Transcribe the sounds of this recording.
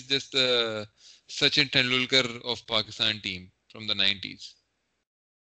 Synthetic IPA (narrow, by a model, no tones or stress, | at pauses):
zd͡ʒɐsʈ̚d̪ə | sʌt͡ʃẽʈɛ̃nlʊlkəɾɔːʋpaːkɪst̪ãːnʈĩːm | fɾɔ̃md̪ənãɪ̃ɳʈḭːz̥